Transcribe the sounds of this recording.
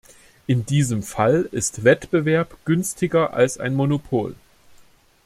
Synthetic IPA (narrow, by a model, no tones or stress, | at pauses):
ʔɪndiːzəmfalɪstv̥ɛtb̥əvɛɐpɡ̥ʏnstʰɪɡɐʔa̰lsʔa̰ɪnmonopʰo̰ːl